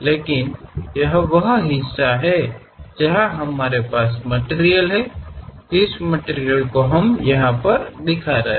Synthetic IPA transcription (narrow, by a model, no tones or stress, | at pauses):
leːkɪnjɐɦʋɐɦɦɪsːaɦɛ | d͡ʒɐɦaɦɐmːaːɾepaːsmɐʈeːɾijəlɦɛ | ɪsməʈeːɾijəlkoɦɐmjɐɦãpɐɾd̪ɪkʰaɾɐ̰ɦẽ